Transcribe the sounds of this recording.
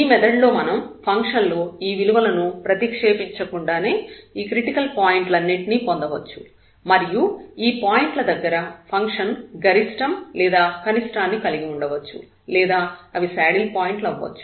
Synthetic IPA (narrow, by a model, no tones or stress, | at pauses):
iːmɛd̪ɐɖlo̞ːmɐnɐmpʰɐŋkʂɐnlo̞ːiːʋiluʋɐlɐnupɾɐt̪ikʂe̞ːpiɲt͡ʃɐkuɳɖaːne̞ːiːkɾiʈikɐlpaːjiɳʈlɐnːiʈinipond̪ɐʋɐt͡ʃːu̥ | mɐɾijuiːpaːjiɳʈlɐd̪ɐɡːɐɾɐpʰɐŋkʂɐnɡɐɾisʈɐmlɛːd̪aːkɐnisʈaːnːikɐliɡiuɳɖɐʋɐt͡ʃːṵ | lɛːd̪aːɐʋisaːɽilpaːjiɳʈlɐʋːɐ̰t͡ʃːu̥